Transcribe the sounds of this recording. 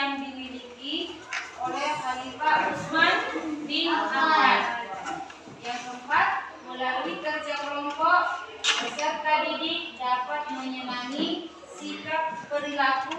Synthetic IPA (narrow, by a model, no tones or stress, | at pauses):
ndimiliki | olɛhhalifaɾusmandiat̪amaɾan | jaŋsəmpat̪̚məlalikərd͡ʒalɔmpɔʔ | kəd͡ʒap̚kadididapat̪̚məɲəmaŋi | sikap̚bərilaku